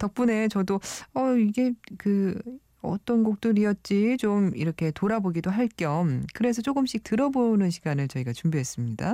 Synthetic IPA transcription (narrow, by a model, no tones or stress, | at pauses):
tʌk̚p͈une̞t͡ɕʌdoʌiɡe̞kɯ | ʌ̰t͈ʌnɡok̚t͈oɾiʌt̚t͡ɕ͈it͡ɕomiɾʌkʰe̞toɾaboɡidoɦaɭk͈jʌmkɯɾe̞s̬ʰʌt͡ɕ͈oɡɯmɕ͈ʰik̚tɯɾʌbonɯnɕʰiɡanɯɭt͡ɕʌiɡat͡ɕumbiɦe̞s͈ɯmɲida